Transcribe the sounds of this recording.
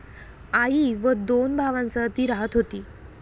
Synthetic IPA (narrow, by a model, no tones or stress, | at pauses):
aiʋəd̪onbʱaʋãnt͡sət̪iːɾaɦət̪ɦot̪iː